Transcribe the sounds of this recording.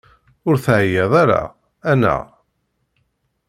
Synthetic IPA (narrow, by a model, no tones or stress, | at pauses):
ʊɾθʕjeðˤaɾa̰ | æna̰